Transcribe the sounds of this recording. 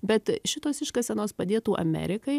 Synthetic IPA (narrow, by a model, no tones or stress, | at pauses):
bʲɛt̪ʃʲɪt̪oːsɪʃkɐsʲɛnoːspɐd̪ʲeːt̪uːʔɐ̰mʲɛ̰ɾʲɪkɐɪ